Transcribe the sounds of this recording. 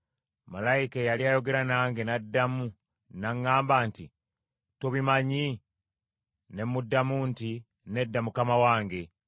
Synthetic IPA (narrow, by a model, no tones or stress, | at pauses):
malaikajaliajo̞ɡe̞ɾanaːŋɡenadːamu | naŋːaːmbaːnti | toβimaɲi | ne̞mudːamunti | ne̞dːamukamawaːŋɡe̞